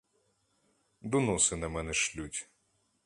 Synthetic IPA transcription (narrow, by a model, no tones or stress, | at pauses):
d̪ɔnɔsɪnɐmɛnɛʃlʲutʲ